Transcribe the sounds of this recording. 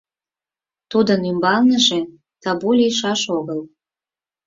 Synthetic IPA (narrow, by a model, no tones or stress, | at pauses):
t̪ud̪ənymbɑlnəʒe | t̪ɑbulʲiʃɑʃoɣəl